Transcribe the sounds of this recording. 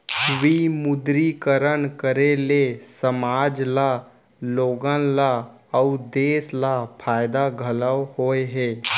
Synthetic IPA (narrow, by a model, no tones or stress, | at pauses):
ʋimʊd̪ɾikəɾənkəɾelesəmaːd͡ʒla | loːɡənla | əʊd̪eːslapʰaːɪd̪aɡʱələwhoːeɦɛː